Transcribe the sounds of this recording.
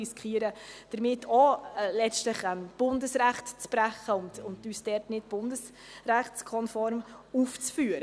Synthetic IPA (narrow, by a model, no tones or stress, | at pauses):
iskχiəɾəd̥əɾmɪtʰːɔlɛt͡stləχɛmb̥ʊndəsɾæχtt͡spɾæχəʊntʊndyːsdɛɾtnɪtb̥ʊndəs | ræχtskʰɔnfɔɾmuft͡sfyːəɾ